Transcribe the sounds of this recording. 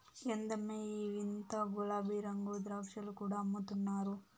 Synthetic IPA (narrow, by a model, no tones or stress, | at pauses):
end̪ɐmeːiːʋint̪ɐɡulaːbiːɾɐŋɡuːd̪ɾɐʋʃɐlukuːɽaːɐmːut̪unːaːɾu